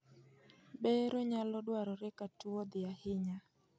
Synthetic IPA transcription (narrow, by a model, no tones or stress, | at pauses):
bɛɾɔɲalɔdwaɾɔɾɛkatuod̪ɪahɪɲa